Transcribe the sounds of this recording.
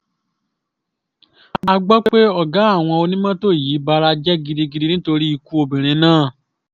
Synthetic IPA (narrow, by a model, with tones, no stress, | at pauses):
ɡ͡ba˧ɡ͡bɔ˦k͡pe˦e˦ɔ˦˨ɡa˨˦a˦˨w̃ɔ̃˧o˧nĩ˦mã˦to˦˨ji˨˦ba˧ɾa˧d͡ʒɛ˦ɡi˧di˧ɡi˧di˧nĩ˦to˧ɾi˦i˧ku˧˦o˧bĩ˨ɾ̃ĩ˨˧nãː˦˨